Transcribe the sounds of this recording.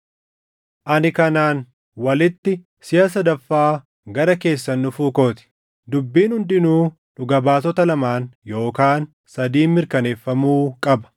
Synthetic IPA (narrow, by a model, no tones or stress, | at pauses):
ʔɐnɪkɐnaːn | wɐlɪt̪ːɪ | sɪjɐs̬ɐd̪ɐfːaː | ɡɐɾɐke̞ːsːɐnːʊfuːko̞ːt̪ɪ̥ | d̪ʊbːiːnhʊnd̪ɪnuː | nʊɡɐbaːsɔt̪ɐlɐmaːnjo̞ːkaːn | sɐd̪iːmɪɾkɐne̞ːfːɐmuːkʼɐbɐ̥